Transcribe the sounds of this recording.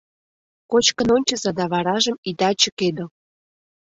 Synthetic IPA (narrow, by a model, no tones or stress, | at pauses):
kot͡ɕkənonʲt͡ɕə̆zɑd̪ɑβɑɾɑʒə̆mid̪ɑt͡ɕə̆ked̪o